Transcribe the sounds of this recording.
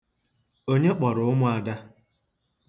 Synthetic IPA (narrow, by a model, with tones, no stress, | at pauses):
o˦ɲe˦k͡pɔ˨ɾʊ˨ʊ˦mʊ˦a˨da˦